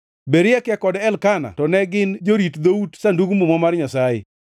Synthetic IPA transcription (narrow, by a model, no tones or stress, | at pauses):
beɾɪjɛkjɛkɔdɛlkana̰tɔnɛɡɪnd͡ʒoɾitd̪outsanduɡumumɔmarɲasajɪ̰